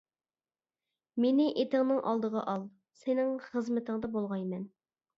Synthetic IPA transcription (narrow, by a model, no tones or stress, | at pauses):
menɪʔet̪ɪŋnɨŋʔɑ̰lˠd̪əʁɑʔɑlˠ | senɪŋχəzmɪt̪ʰəŋd̪ɑbolˠʁɑjmɛn